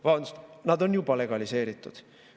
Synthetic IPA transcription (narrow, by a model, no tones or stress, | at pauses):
vɑnsnɑd̪o̞njubɑle̞ɡ̥ɑlise̞ːɾit̪ːˑṵd̪̥